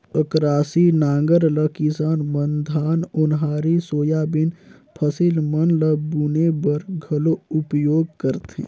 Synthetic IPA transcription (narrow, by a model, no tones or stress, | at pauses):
əkɾaːsinãːŋɡəɾləkisaːnmənd̪ʱaːnʊnɦaːɾisoːjabɪn | pʰəsilmənləbuːnebəɾɡʱɐloʊpjoːɡ̚kəɾt̪ḛ̃ː